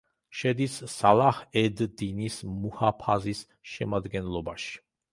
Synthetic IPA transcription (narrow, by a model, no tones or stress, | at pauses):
ʃɛd̪isːalˠahɛd̪d̪inismuhapʰazis | ʃɛmad̪ɡɛnlˠɔbaʃi̥